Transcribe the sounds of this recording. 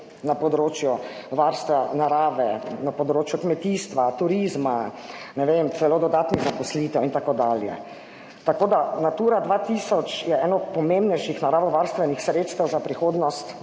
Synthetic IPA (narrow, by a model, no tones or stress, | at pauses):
napɔd̪ɾoːt͡ʃjuʋaɾst̪ʋanaɾaːʋɛnapɔd̪ɾoːt͡ʃjukmɛt̪iːst̪ʋat̪uɾiːzma | nɛʋemt̪sɛloːd̪ɔd̪aːt̪niɣzapɔsliːt̪ɛwint̪akod̪aːljɛ̰ | t̪akoːd̪anat̪uːɾad̪ʋaːt̪iːsɔt͡ʃjɛɛːnɔɔt̪pɔmẽmbnɛjʃixnaɾaːʋɔʋaɾst̪ʋɛnixsɾeːt̪st̪ɛwzapɾixoːd̪nɔst̪